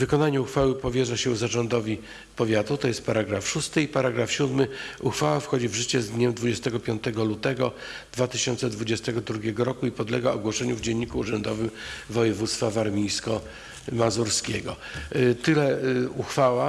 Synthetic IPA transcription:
vɘkɔnaɲuuxfawɘpɔvʲjɛʐaɕɛuzaʐɔnd̪ɔvʲi | pɔvʲjat̪ut̪ɔjɛst̪paɾaɡɾafʂust̪ɘipaɾaɡɾafɕud̪mɘuxfawafxɔd͡ʑivʐɘt͡ɕɛzd̪ɲɛmd̪vud͡ʑɛst̪ɛɡɔpʲjɔnt̪ɛɡɔlut̪ɛɡɔ | d̪̥vat̪ɘɕɔnt̪sɛd̪vud͡ʑɛst̪ɛɡɔd̪ɾuɡʲɛɡɔɾɔkuipɔd̪lɛɡaɔɡwɔʂɛɲuvd͡ʑɛɲːikuːʐɛnd̪ɔvɘmvɔjɛvut̪st̪favaɾmʲijskɔ | mazuɾskʲɛɡɔ | t̪ɘlɛuxfawa

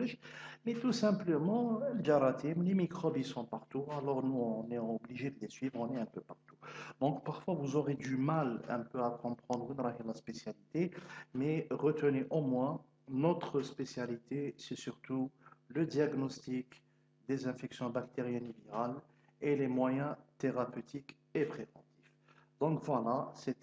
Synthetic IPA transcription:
iʃmɛt̪usɛ̃pləmɑ̃ləd͡ʒaɾat̪ʰimlemikχɔbisɔ̃paʁt̪ualɔʁnuɔ̃nɛɔbliʒed̪əlesɥivʁɔ̃nɛɛ̃pøpaʁt̪u̥d̪ɔ̃kpaʁfwavuzɔʁed̪ymalɛ̰̃pøakɔ̃pχɑ̃d̪ʁynɾakɛlaspesjalit̪emɛʁət̪əneʔɔmwɛ̃ | nɔt̪χəspesjalit̪esɛsyʁt̪uləd̪jaɡnɔst̪ik | d̪ezɛ̃fɛksjɔ̃bakt̪eʁjɛniviʁal | elemwajɛ̃t̪eʁapøt̪ʰik | epχevɑ̃t̪if | d̪ɔ̃kvwalasɛt̪

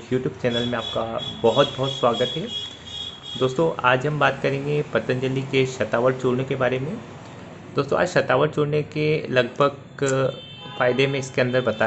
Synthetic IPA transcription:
juːʈjuːb̚t͡ʃɛːnəlmẽaːp̚kabɔɦʊt̪̚bɔɦʊt̪swaːɡət̪ɦɛː | d̪oːst̪õʔaːd͡ʒɦɐmbaːt̪kɐɾẽːŋɡepɐt̪ə̃nd͡ʒəlːikeʃɐt̪aːʋəɾt͡ʃoːɽnekebaːɾemẽ | d̪̥oːst̪õa̰ːd͡ʒʃɐt̪aːʋəɾt͡ʃoːɽnekelɐɡ̚bʱəɡ | faːɪd̪emẽɪskeɐ̃nd̪əɾbɐt̪aː

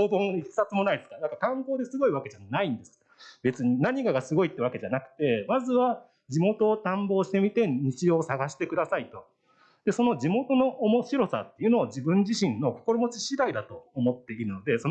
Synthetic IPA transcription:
oːbõ̞ŋissat͡sɨmo̞naid̪eskanãŋkakãŋko̞ːd̪e̞sɨɡo̞iβake̞ʑanaĩnd̪e̞sɨ̥ | be̞t͡sɨɲ̟inaɲ̟ikaɡasɨɡo̞it̪ːeβake̞ʑanakɯ̟̥t̪e̞mazɨβa | d͡ʑimo̞t̪o̞ːt̪ãmbo̞ːɕi̥t̪e̞mʲit̪e̞ɲ̟it͡ɕio̞ːsaɡaɕi̥t̪e̞kɯ̟d̪asait̪o̞ | d̪̥e̞so̞no̞d͡ʑimo̞t̪o̞no̞ʔomo̞ɕiɾo̞sa̰t̪ːeiɯ̟no̞ːd͡ʑibɯ̟̃ɲd͡ʑiɕĩnːo̞ko̥ko̞ɾomo̞t͡ɕiɕiɾaid̪at̪o̞ːmo̞t̪ːe̞iɾɯ̟no̞d̪e̞so

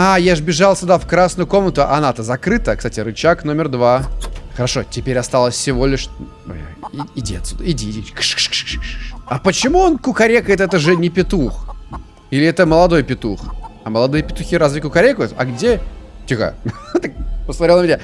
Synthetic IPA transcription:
ajaʐɨbʲɪʐalˠsʲʊd̪afkɾasnʊjʊko̞mnət̪ʊʔɐ̰nat̪əzɐkɾɨt̪əkst̪atʲɪɾɨt͡ɕakno̞mʲɪrd̪vaxəɾɐʂo̞tʲɪpʲeɾʲɐst̪alˠəsʲfsʲɪvo̞lʲɪʂ | ɪdʲḛt̪sʊd̪ɪdʲiik | ɐpət͡ɕɪmuonkʊkɐɾʲekəjɪt̪ɛt̪əʐɨnʲɪpʲɪt̪ux | ilʲɪɛt̪əməlˠɐd̪o̞jpʲɪt̪uxɐməlˠɐd̪ɨjəpʲɪt̪ʊxʲiɾazvʲɪkʊkɐɾʲekəjʊt̪ɐ̰ɡdʲetʲixa̰t̪ak̚pəsmɐɾʲelˠəmɪnʲa

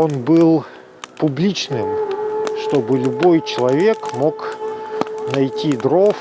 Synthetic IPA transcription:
o̞nbɨlˠ | pʊblʲit͡ɕnɨmʂt̪o̞bɨlʲʊbo̞jt͡ɕɪlˠɐvʲekmo̞k | nɐjtʲid̪ɾof

